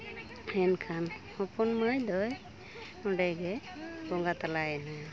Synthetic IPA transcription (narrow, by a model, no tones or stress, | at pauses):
ɛnkʰanhɔpɔnmɯjd̪ɔj | ɔɖajɡɛ | bɔŋɡat̪alajɛna